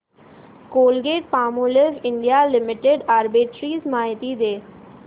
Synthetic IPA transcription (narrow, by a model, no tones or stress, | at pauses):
koːlɡeːʈpaːmuːlefɪɳɖijalɪmɪʈeɖaːɾbɪʈɾiːzmaːjt̪id̪eː